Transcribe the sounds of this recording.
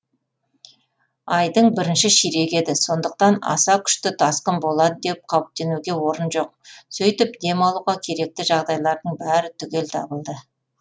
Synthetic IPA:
ɑjd̪əɴbɪɾɪnʃɪʃiɾe̞kʲe̞d̪ɪso̞nd̪əq̚t̪ɑnɑ̰sɑkʲʰʏ̥ʃt̪ɪt̪ʰɑsqəmbo̞lˠɑd̪əd̪e̞p̚qʰɑwəp̚t̪e̞nuɡʲe̞wo̞ɾənʒo̞q̚sɵjt̪ɪp̚d̪e̞mɑlˠuʁɑkʲʰe̞ɾe̞k̚t̪ɪʒɑʁd̪ɑjlˠɑɾd̪əɴbæɾɪt̪ʰʏɡʲe̞lt̪ʰɑ̰bəlˠd̪ə

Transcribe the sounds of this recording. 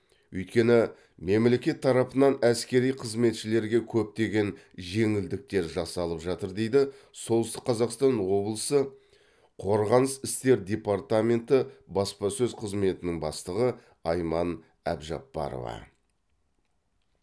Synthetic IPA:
ɵjt̪̚kʲe̞nɪ | me̞mle̞kʲe̞t̪ʰːɑɾɑpənɑnæskʲe̞ɾijqʰəzme̞t̪ʃɪle̞ɾɡʲe̞kʲʰɵp̚t̪e̞ɡʲe̞n | ʒe̞ŋɪld̪ɪk̚t̪e̞ɾʒɑsɑlˠəpʒɑt̪əɾd̪e̞jd̪ɪ | so̞lˠəst̪ə̥qʰːɑzɑqst̪ɑnwo̞blˠəsə | qʰo̞ɾʁɑnəsɪst̪e̞ɾd̪ʲe̞pɑrt̪amʲe̞nt̪ɪbɑspɑsɵzqʰəzme̞t̪ɪnɪŋbɑst̪əʁə | ɑjmɑn | æ̰bʒɑ̰pːɑ̰ɾo̰vɑ̰

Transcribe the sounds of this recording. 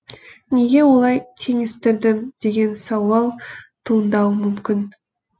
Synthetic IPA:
ne̞ɡʲe̞wo̞lˠɑjt̪ʰe̞ŋɪst̪ɪɾd̪ɪmd̪̥e̞ɡʲe̞nsɑwɑlˠt̪ʰuənd̪ɑwəmʏmkʲɪn

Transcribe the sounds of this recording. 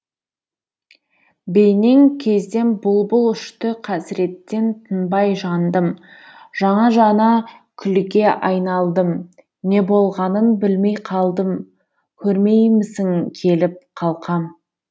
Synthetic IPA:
be̞jne̞ŋkʲʰe̞zd̪e̞nbʊlˠbʊlˠʏʃt̪ɪqʰæsɪɾe̞t̪ːe̞nt̪ʰənbɑjʒɑnd̪əmʒ̥ɑɴɑʒɑnɑkʲʰʏlɪɡʲe̞ʔɑjnɑlˠd̪əm | ne̞bo̞lˠʁɑnənbɪlme̞jqʰɑlˠd̪əm | kʲʰɵɾme̞jmɪsɪŋkʲʰe̞lɪp̚qʰɑlˠqʰɑm

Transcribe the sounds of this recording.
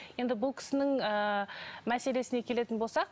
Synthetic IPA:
je̞nd̪ɪbʊlˠkʲʰɪ̥sɪnɪŋəmæse̞le̞sɪne̞kʲʰe̞le̞t̪ɪnbo̞lsɑq

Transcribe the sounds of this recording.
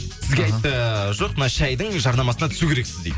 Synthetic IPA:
sɪzɡʲeɑjt̪ːəʒo̞q̚mənɑʃæjd̪əŋʒɑɾnɑmɑsənɑt̪ʰʏ̥sukʲeɾe̞ksɪzd̪ej

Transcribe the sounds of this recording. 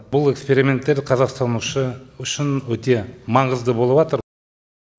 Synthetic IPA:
bʊlˠe̞kspe̞ɾimʲe̞nt̪ːe̞ɾqʰɑzɑqst̪ɑnuʃəʏʃɪnwɵt̪e̞mɑɴəzd̪əbo̞lˠəbɑt̪əɾ

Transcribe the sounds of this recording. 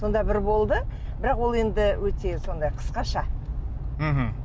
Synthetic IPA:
so̞nd̪ɑbɪɾbo̞lˠd̪əbɪɾɑqwo̞lˠe̞nd̪ɪwɵt̪e̞so̞nd̪ɑjqʰə̥sqɑʃɑ | m̩ɦm̩

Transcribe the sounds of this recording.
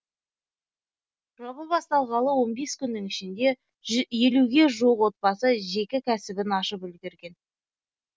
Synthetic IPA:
ʒɑβəbɑst̪ɑlˠʁɑlˠəwo̞nbe̞skʲʰʏnːɪŋɪʃɪnd̪e̞ | je̞luɡʲe̞ʒoqwo̞t̪̚pɑsəʒe̞kʲɪkʲʰæsɪbɪnɑʃəpʏlɡʲeɾɡʲe̞n

